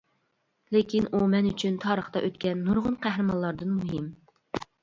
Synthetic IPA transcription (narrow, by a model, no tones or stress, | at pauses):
lekʲinʔumɛnyt͡ʃʰynt̪ʰɑːɾəχt̪ɑʔøt̪kʲɛnːuɾʁʊnqʰæɦɾɨmɑnlˠɑɾd̪ɨnmuɦɪm